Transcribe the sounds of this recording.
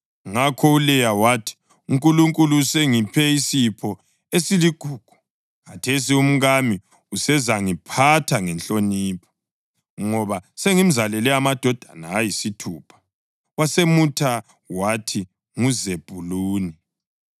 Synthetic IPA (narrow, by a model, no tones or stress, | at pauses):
ŋakʰɔulɛjawatʰi̥ | uŋkʼuluŋkʼuluseŋipʰɛisipʰɔ | esiliɡ̥ʱuːɡ̥ʱu̥ | kʰatʰes̬ium̩ɣami | usɛzaŋipʰatʰaŋɛnt͡ɬʼoniːpʰɔ̥ | ŋɔβaseŋim̩zalɛlɛamad̥ʱɔd̥ʱanaːjisitʰuːpʰḁ | wasemutʰa | watʰi | ŋuzeb̥ʱuluːni